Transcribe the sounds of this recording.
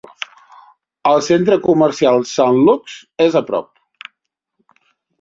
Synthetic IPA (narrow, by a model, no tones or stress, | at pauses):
əlˠsent̪ɾəkumərsialˠsanluksezəpɾɔ̰p̚